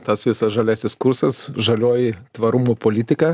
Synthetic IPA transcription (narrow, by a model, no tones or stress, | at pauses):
t̪ɐsʋʲɪsɐsʒɐlʲæːsʲɪskʊɾsɐsʒɐlʲoːjɪt̪ʋɐɾumuːpoːlʲɪt̪ʲɪkɐ